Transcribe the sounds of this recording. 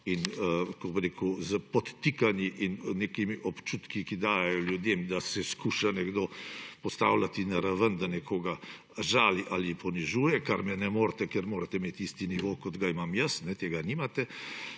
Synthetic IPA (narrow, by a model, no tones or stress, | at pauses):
inkoɡbɾeːkʊzəpɔt̪ːikanjiʔinnekimiʔɔpt͡ʃut̪kikid̪aːjɛjɔljud̪jemd̪asɛskuːʃanɛɡd̪oːpɔst̪awlat̪inaɾaʋənd̪anɛkʰoːɡa | ʒaːliʔalipɔniʒuːjɛkaɾmɛnɛmoːɾt̪ɛkɛɾmoːɾat̪ɛmeːt̪ist̪iniʋokɔd̪ɡaimamjəsnɛt̪eːɡaniːmat̪ɛ